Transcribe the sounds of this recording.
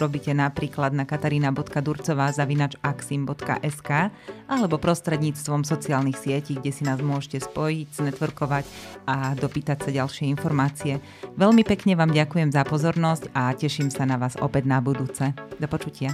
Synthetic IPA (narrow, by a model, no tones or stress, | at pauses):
ɾɔbicɛnapɾiːklad̪nakat̪aɾiːnabɔt̪kad̪uɾt͡sɔʋaːzaʋinaːd͡ʒaksimbɔt̪ka̰ʔɛskaːʔalɛbɔpɾɔst̪ɾɛd̪ɲiːt͡st̪ʋɔmsɔt͡siaːlnixsɪɛciɡɟɛsinaːzmʊɔʒcɛspɔjiɟznɛt̪ʋɾkɔʋacad̪ɔpiːt̪acsaɟalʃɪɛinfɔɾmaːt͡siɛ | ʋɛʎmipɛkɲɛʋaːmɟakujɛmzapɔzɔɾnɔscacɛʃimsanaʋaːzɔ̰pɛd̪nabud̪uːt͡sɛd̪ɔpɔt͡ʃucɪa